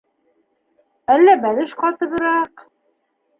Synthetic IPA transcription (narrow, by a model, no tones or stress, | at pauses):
ælːæbælɘʃqɑt̪ɤ̆βɤ̆ɾɑq